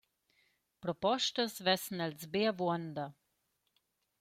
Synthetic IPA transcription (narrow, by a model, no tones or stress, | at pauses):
pɾɔpɔʃt̪əsvɛsnɛlzbeavwɔnd̪a